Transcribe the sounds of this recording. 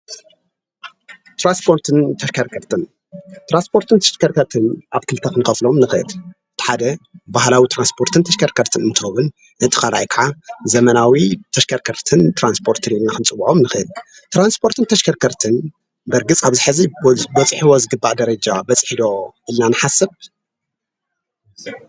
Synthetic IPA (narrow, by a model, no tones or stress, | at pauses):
t̪ɾanspʰo̞ɾt̪ʰɨnt̪ʰɐʃkʰɐɾkʰɐɾt̪ʰɨn | t̪ɾanspʰo̞ɾt̪ʰɨnt̪ʰɐʃkɐɾkʰɐɾt̪ʰɨnʔaβkʰɨlt̪ʰɐxɨnɨxɐflo̞mnɨxɨʔɨl | ɨt̪ʰi̥ħad̪ɐbahlawit̪ʰɾanspʰo̞ɾt̪ɨnt̪ʰɐʃkɐɾkʰɐɾt̪ʰɨnɨnt̪ʰoβɨn | ʔɨt̪ʰʼɨ̥aɾajkʰaʕazɐmɐnawit̪ʰɐʃkʰɐɾkʰɐɾt̪ʰɨnt̪ɾanspʰo̞ɾt̪ʰɨnilnaxɨnt͡sʼɨbuʕʔomnɨxɨɨl | t̪ɾanspʰo̞ɾt̪ʰɨnt̪ʰɐʃkʰɐɾkʰɐɾt̪ʰɨn | bɐɾɡɨt͡sʼaβzɨħɨzibɐt͡sʼħiwozɨɡɨbːaʕd̪ɐɾɐd͡ʒabɐt͡sʼħid̪o̞ʔɨlnanɨħasɐb̚